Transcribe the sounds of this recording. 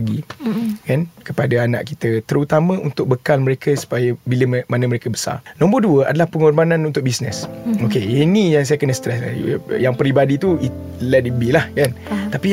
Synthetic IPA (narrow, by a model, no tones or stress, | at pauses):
ɡikankəpadaana̰ʔkit̪ət̪əɾut̪amə̃unt̪ʊk̚bəkalməɾekʰəsu̥pajəbiləmmanə̃məɾekəbə̥sa̰rnɔ̃mbərduəa̰dalahpəŋɔrbanãnunt̪ʊk̚bisnɛ̰sokeenijaŋs̬ajakənəst̪ɾɛska̰jaŋpɾibadit̪uit̪ | lɛtibilahkant̪api